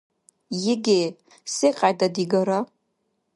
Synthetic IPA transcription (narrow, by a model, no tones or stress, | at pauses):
jɪɡʲej | seqʼadadiɡɐɾa